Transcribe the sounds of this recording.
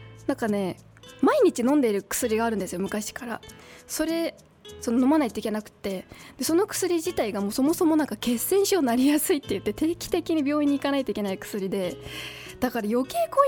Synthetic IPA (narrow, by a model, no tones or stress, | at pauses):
nãŋkane̞ | maiɲ̟it͡ɕinõ̞nd̪e̞iɾɯ̟kɯ̥sɨɾʲiɡaːɾɯ̟̃nd̪esɨjo̞mɯ̟kaɕi̥kaɾa̰so̞ɾe̞ | so̞nono̞manait̪o̞ikʲe̞nakɯ̟̥t̪ːe̞d̪̥e̞so̞no̞kɯ̥sɨɾʲiʑit̪aiɡamo̞ːso̞mo̞so̞mo̞nãŋkake̞sẽ̞ɰ̃ɕionaɾʲijasɨit̪ːe̞jɯ̟t̪ːe̞t̪e̞ːkʲi̥t̪e̞kʲiɲ̟ibʲo̞ːĩɲ̟ːikanait̪o̞ikʲe̞naikɯ̟̥sɨɾʲid̪e̞ | d̪̥akaɾajo̞ke̞ːko̞